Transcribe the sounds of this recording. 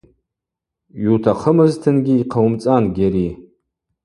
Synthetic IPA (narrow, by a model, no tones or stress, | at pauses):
ɥutʰaχʰəmɨztʰɨnɡʲiːqʰawmt͡sʼanɡʲaɾi